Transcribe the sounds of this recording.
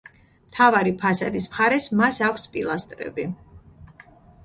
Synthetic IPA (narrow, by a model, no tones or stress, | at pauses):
mt̪ʰavaɾipʰasad̪ismχaɾɛsmasakʷʰspʼilˠast̪ʼɾɛ̰bi